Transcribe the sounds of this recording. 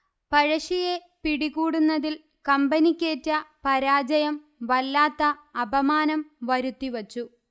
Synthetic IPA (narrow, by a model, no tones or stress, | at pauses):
pɐɻɐɕije | piɽiɣuːɽunːɐðil | kɐmbɐnikʲːeːtːɐpɐɾaːd͡ʑɐjɐm | ʋɐlːaːt̪ːɐːbɐmaːnɐmʋɐɾut̪ːiʋɐt͡ɕːu